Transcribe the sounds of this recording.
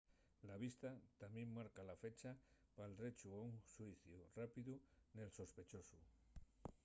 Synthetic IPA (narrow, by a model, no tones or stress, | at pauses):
laβ̞ist̪at̪amjẽmmːaɾkalafe̞t͡ʃapalret͡ʃuauŋsuiθjurapiðunelso̞spet͡ʃosu